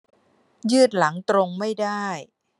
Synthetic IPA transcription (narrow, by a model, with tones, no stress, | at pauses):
jɯː˥˩t̪̚la˩˦ŋt̪ɾo˧ŋma˥˩jdaː˥˩j